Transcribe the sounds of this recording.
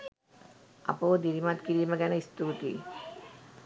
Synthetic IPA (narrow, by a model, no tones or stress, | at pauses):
a̰poːd̪iɾimat̪kiɾiməɡɛnəist̪ut̪ḭ